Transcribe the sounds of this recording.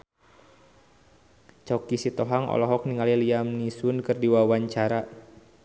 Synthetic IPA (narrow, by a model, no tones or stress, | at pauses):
t͡ʃɔkisit̪ɔɦaŋɔ̰lɔɦɔk̚niŋaliliamnisunkɨrdiwawaɲt͡ʃaɾa